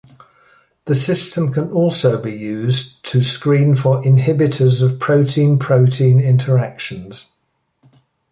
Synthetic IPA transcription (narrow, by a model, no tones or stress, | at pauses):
ðəsɪstə̃mkʰə̃nɔˑlˠsəʊbijʉːztʰəskɹĩːnfəɹʔɪ̃nɦɪbɪtʰəzəv̥pʰɹ̥əʊtʰĩːnpʰɹ̥əʊtʰĩːnɪ̃ntʰəɹakʃə̃nz̥